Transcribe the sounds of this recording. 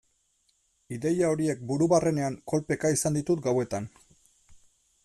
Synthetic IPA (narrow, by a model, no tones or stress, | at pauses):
iðe̞jao̞ɾie̞k̚buɾuβare̞ne̞aŋko̞lpe̞kaisand̪it̪ut̪ɡawe̞t̪an